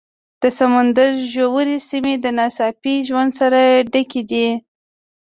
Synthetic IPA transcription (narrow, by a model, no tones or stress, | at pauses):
d̪̥əsamand̪aɾʒowəɾisimed̪ənɑsɑpiʒwand̪saɾaɖəked̪i